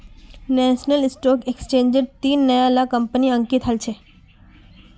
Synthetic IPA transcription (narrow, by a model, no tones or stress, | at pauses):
nɛʃnəlɪsʈɔkekst͡ʃẽːɲd͡ʒəɾt̪iːnːəjalakəmpəniə̃ŋkit̪ɦəlt͡ʃʰe